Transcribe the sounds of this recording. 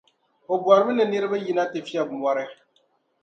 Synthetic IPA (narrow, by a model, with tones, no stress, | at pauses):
ɔ˨bu˨ɔ˨ɾɪ˨˦bɪ˦nɪ˨nɪ˦ɾɪ˦ba˦ji˨na˦tɪ˨fi˦a˨bm˨ɔ˦ɾɛ˦